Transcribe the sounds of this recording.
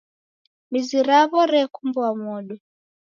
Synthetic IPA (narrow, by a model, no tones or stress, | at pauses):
miziɾaβɔɾɛkumbɔamɔɗɔ